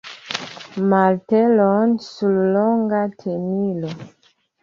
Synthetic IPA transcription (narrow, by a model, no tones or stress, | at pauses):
maltɛlɔnsullɔŋɡatʰemilɔ